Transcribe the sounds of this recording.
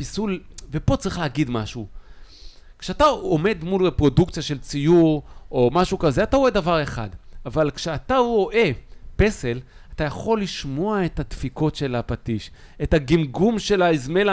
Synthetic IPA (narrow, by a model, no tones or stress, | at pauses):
pisulve̞po̞t͡saʁiχlehaɡid̪maʃu | kʃeataome̞d̪mulepʁo̞dukt͡sjaʃelt͡sijuʁo̞maʃukaze̞ataʁo̞e̞davaʁe̞χa̰davalkʃeataʁo̞ʔe̞pe̞se̞l | atajaχo̞lːiʃmo̞ae̞that̪fiko̞tʃe̞lapatiʃ | etaɡimɡumʃe̞laizme̞la